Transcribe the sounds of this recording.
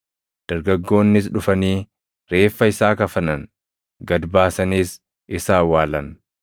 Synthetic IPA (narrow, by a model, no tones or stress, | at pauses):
d̪̥ɐɾɡɐɡːo̞ːnːɪs̬ᶑʊfɐniː | ɾe̞ːfːɐɪsaːkɐfɐnɐn | ɡɐd̪baːsɐniːs | ʔɪsaːwaːlɐn